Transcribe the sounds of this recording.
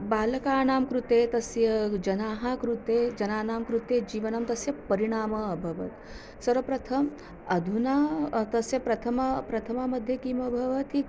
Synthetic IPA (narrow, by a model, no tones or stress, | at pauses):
baːlɐkaːnaːmkɾut̪eːt̪ɐsjɐd͡ʒɐnaːɦakɾut̪eːd͡ʒɐnaːnaːmkɾut̪eːd͡ʒiːʋɐnɐmt̪ɐsjɐpɐɾiɽ̃aːmɐːbʱɐʋɐ̰t̪ | sɐɾɐpɾɐt̪ʰɐm | ɐd̪ʱunat̪ɐsjɐpɾɐt̪ʰɐmɐpɾɐt̪ʰɐmamɐd̪ʱjɐkiːmɐbʱɐʋɐt̪i